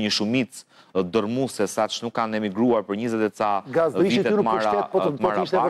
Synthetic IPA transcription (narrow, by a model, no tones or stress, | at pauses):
ɲəʃumit͡s | d̪əɾmusɛsat̪t͡ʃnukːanɛmiɡɾuaɾpəɾɲəzɛt̪ɛsaɡaziviɛmaɾʃaɛpɔt̪maɾaʃ